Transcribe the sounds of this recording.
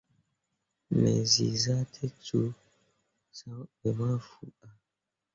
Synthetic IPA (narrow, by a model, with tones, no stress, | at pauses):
mɛ̰˨zḭ˨za˦tʰɛ˦tu˦ | sa˨˦bɛ˨ma˦fu˨a˨